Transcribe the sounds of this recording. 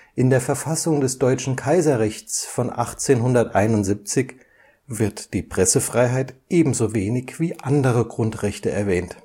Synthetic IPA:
ʔɪndeːɐfɛɐfasʊŋdɛsd̥ɔʏt͡ʃn̩kʰaɪzɐʁɛçt͡sfɔnʔa̰χt͡seːnɦʊndɐtʔaɪnʊntz̥ip̚t͡sɪç | v̥ɪɐtd̥iːpʁ̥ɛsəfʁ̥aɪɦaɪtʔeːbm̩zoːveːnɪçv̥iːʔandəʁəɡʁʊntʁ̥ɛçtəʔɛɐvɛːnt

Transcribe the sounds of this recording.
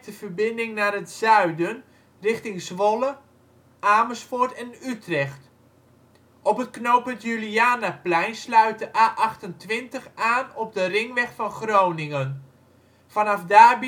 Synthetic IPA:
təfərbɪndɪŋnaːrətzœɥdən | rɪχtɪŋsʋɔlə | ʔaːməsfoɹtɛnytrɛxt | ɔpətknowpətjyliaːnaplɛjnslœɥt̚dəʔaːʔɑχtəntʋɪntəχaːnɔp̚dərɪŋʋɛχfɑnχrownɪŋən | fɑnɑfdaːb

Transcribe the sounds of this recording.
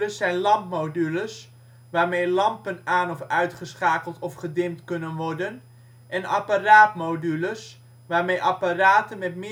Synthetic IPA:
əsɛjnlɑmpmowdyləs | ʋaːrmejlɑmpənaːnɔfœɥtχəsχaːkəlˠtɔfχədɪmtkɵnənʋɔrdən | ʔɛnaparaːtmowdyləs | ʋaːrmejʔɑparaːtənmɛtmɪ

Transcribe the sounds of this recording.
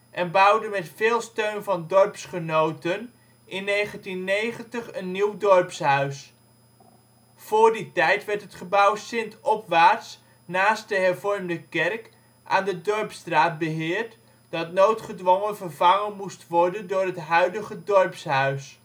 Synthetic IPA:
ʔɛnbʌwdəmɛtfeːlˠstøɥnvɑndɔɹpsχənowtən | ɪnːejχəntinːejχəntəχənːiwdɔɹpsɦœɥs | fʊːɹditɛjtʋɛɹtɦətχəbʌwsɪntɔpʋaːɹts | naːst̚dəɦɛɹvɔɹmdəkɛrk | ʔa̰ːndədɔɹpstraːt̚bəɦɪːɹt | d̥ɑtnowtχədʋɔŋənvəɹvɑŋənmustʋɔɹdəndʊːrɦətɦœɥdəχədɔɹpsɦœɥs

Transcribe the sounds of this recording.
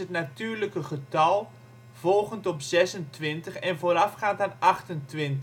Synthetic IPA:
ətnatyːɹləkəχətɑlˠ | v̥ɔlˠχəntɔpzɛsəntʋɪntəχɛnvoːɾafχaːntaːnaχtəntʋɪnt

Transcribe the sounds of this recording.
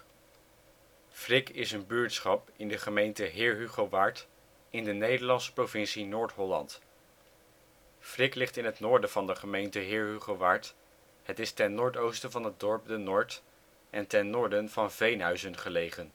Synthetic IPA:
frɪkɪsənbyːɹtsχɑpɪndəχəmejntəɦɪːɹɦyχoʋaɹt | ɪndənejdəɹlɑnsə̥prowvɪnsinʊːɹtɦɔlɑ̰nt | frɪklɪχtɪnɦətnʊːɹdənvɑndəχəmejntəɦɪːɹɦyχoʋaɹt | ɦətɪstɛnːʊːɹtowstəvɑnɦət̚dɔɹp̚dənɔːɹt | ʔɛntɛnːʊːɹdənvɑnvejnɦœɥzənχəlejχən

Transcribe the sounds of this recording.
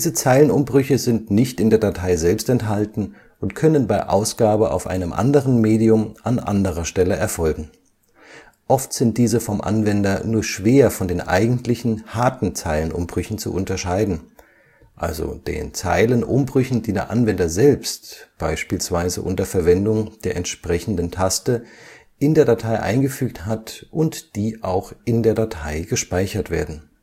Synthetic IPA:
d̥iːzət͡saɪlənʊmbʁʏçəzɪntnɪçtɪndeːɐdatʰaɪzɛlpstɛntɦaltn̩ | ʔʊntkʰœnənbaɪʔa̰ʊsɡ̥aːbəʔa̰ʊfʔa̰ɪnəmʔa̰ndəʁ̞ənmeːdiʊmʔanʔa̰ndəʁɐʃtɛləʔɛɐfɔlɡŋ̩ | ʔɔftz̥ɪnt̚d̥iːzəfɔmʔa̰nvɛndɐnuːɐʃv̥eːɐfɔndeːnʔa̰ɪɡŋ̩tlɪçn̩haɐtn̩t͡saɪlənʔʊ̰mbʁʏçn̩t͡sṵʔʊntɐʃaɪdn̩ | ʔa̰lzo̰d̥ḛːnt͡sa̰ɪlənʔʊmbʁʏçn̩diːdeːɐʔanvɛndɐzɛlpstb̥aɪʃpiːlsv̥aɪzə̰ʔʊ̰ntɐfɛɐvɛndʊŋd̥eːɐʔɛntʃpʁ̥ɛçn̩dən̩tʰastə | ʔɪndeːɐdatʰaɪʔa̰ɪnɡəfyːk̚thɦatʔʊntd̥iːʔaʊxʔɪndeːɐdatʰaɪɡəʃpaɪçɐtv̥eːɐdn̩

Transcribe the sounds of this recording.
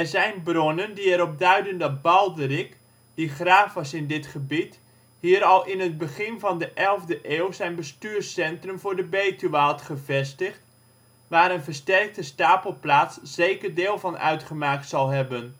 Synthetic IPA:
ɛɹzɛjnbronəndiɛɾɔp̚dœɥdəndɑt̚bɑlˠdərɪk | d̥iχraːfəsɪndɪtχəbit | ɦiːɾɑlˠɪnɦəd̚bəχɪnvɑndəʔɛlˠvdəʔeːwzɛjnbəstyːrsɛntrɵmvʊːɹdəbejtyʋaːlˠtχəvɛstəχt | ʋaːɾənvəɹstɛrk̚təstaːpəl̩ˠplaːtsz̥ejkərdeːlˠvɑnʔœ̰ɥtχəmaːk̚tsɑlˠɦɛbən

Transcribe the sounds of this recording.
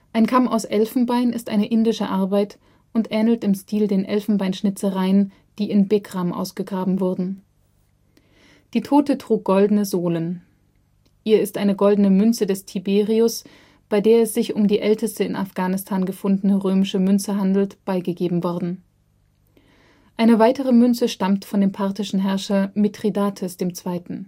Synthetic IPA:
ʔaɪnkʰama̰ʊsʔɛlfn̩baɪnɪstʔa̰ɪnəʔɪndɪʃəʔaɐbaɪt | ʔʊntʔɛːnl̩tɪmstʰiːldeːnʔɛ̰lfn̩baɪnʃnɪt͡səʁaɪən | d̥iːɪnbeɡʁ̥amʔa̰ʊsɡ̥əɡʁaːbm̩vʊɐdn̩ | d̥iːtʰoːtətʁ̥uːk̚ɡ̥ɔldn̩əzoːlən | ʔiːɐɪstʔaɪnəɡɔldn̩əmʏnt͡sədɛstʰibeːʁiʊs | b̥aɪdeːɐɛsz̥ɪçʊmdiːʔɛltəstəɪna̰fɡ̥aːnɪstʰaːnɡəfʊndən̩əʁøːmɪʃəmʏnt͡səɦandl̩tb̥aɪɡəɡeːbm̩vɔɐdn̩ | ʔaɪnəvaɪtəʁ̞əmʏnt͡səʃtamtfɔndeːmpʰaɐtɪʃn̩ɦɛɐʃɐmetʁ̥idaːtʰəsd̥eːmt͡sv̥aɪtn̩

